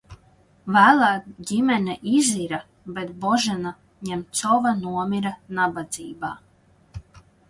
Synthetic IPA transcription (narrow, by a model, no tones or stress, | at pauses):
væːlˠaːɟimɛnɛʔiziɾa | bet̪bɔʒɛna | ɲɛmt̪sɔvanuɔmʲiɾanabad̪ziːbaː